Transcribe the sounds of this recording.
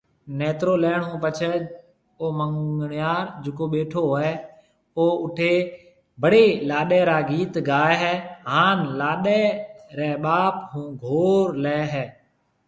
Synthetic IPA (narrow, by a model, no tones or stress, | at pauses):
nɛːt̪ɾoːlɛːɳɦũːpət͡ʃʰɛː | oːməŋɡɳɪjaːɾd͡ʒʊkoːɓeːʈʰoːɛː | oːʊʈʰeː | bʱəɽeːlaːɗɛːɾaːɡiːt̪ɡaːeɦɛːɦaːnlaːɗɛːɾɛːɓaːpɦũːɡʱoːɾlɛːɦɛː